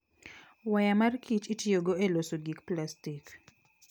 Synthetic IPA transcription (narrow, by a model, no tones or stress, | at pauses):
wajamarkʰit͡ʃitjoɡoelosoɡikplastik